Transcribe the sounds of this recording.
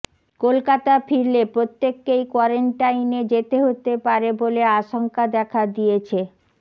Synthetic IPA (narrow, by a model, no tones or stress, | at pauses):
kolkat̪afʰiɾlepɾot̪ːekːejkwɔɾeɳʈajned͡ʑet̪eɦot̪epaɾeboleaʃoŋkad̪ɛkʰad̪ijet͡ɕʰe